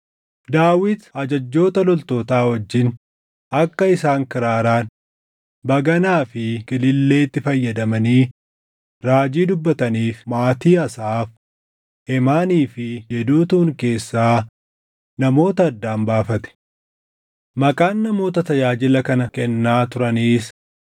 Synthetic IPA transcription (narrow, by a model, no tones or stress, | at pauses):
d̪aːwɪd̪ɐd͡ʒɐd͡ʒːo̞ːt̪ɐlɔlt̪o̞ːt̪aːwɐd͡ʒːɪn | ɐkːɐɪsaːŋkɪɾaːɾaːn | bɐɡɐnaːfɪkɪlɪlːe̞ːt̪ːɪfɐjːɐd̪ɐmɐniː | ɾaːd͡ʒiːd̪ʊbːɐt̪ɐniːfmaːt̪iːɐsaːf | ɛmaːniːfɪjɛd̪uːt̪uːŋke̞ːsːaː | nɐmo̞ːt̪ɐːd̪ːaːmbaːfɐt̪ɛ̥ | mɐkʼaːnːɐmo̞ːt̪ɐt̪ɐjaːd͡ʒɪlɐkɐnɐkɛnːaːt̪ʊɾɐniːs